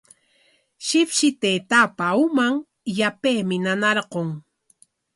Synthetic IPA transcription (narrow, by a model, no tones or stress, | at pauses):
ʃɪpʃɪt̪eːt̪apaumaŋ | japeːmɪnanaɾqoŋ